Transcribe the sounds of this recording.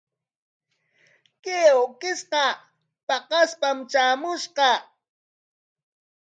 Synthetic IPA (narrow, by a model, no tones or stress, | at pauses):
keokɪsqɑ | pɑqɑspamt͡ʃaːmʊʃqɑ